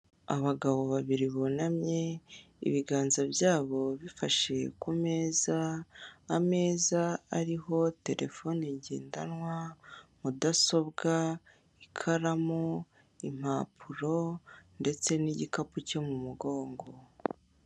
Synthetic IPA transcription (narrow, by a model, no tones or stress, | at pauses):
aβaɡaβo̞βaβiɾiβo̞namɲe̞ | ḭβiɡaːnzabjaːβo̞βifaʃe̞kume̞ːzaː | me̞ːzaːɾiɦo̞te̞ɾʔe̞̰fo̞niɟḛːndanwamudaso̞βɡa | ikʰaɾamuo | im̥aːpʰuɾo̞nde̞t͡se̞niɟikapuco̞mumuɡo̞ːŋɡo̞